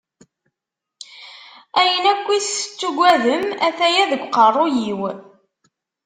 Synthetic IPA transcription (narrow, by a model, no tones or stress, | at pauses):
æjənækʷːist͡sːuɡʷæðəmæθæjæðəɡʷqərˤojiw